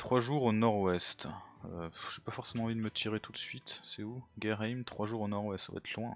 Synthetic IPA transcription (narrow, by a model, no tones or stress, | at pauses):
t̪χwaʒuʁonɔʁwɛst̪øʒ̥epafɔʁsemɑ̃ɑ̃vid̪əmət̪ʰiʁet̪ʰut̪sɥit̪sɛuɡʲɛʁɛjmt̪χwaʒuʁonɔʁwɛst̪sava̰ɛt̪ʰlwɛ̃